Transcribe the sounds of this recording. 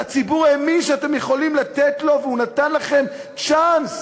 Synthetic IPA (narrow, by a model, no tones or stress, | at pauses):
at͡sibuʁaemiʃeat̪emje̞χo̞limlat̪et̪lo̞veunat̪anlaχe̞m | t͡ʃans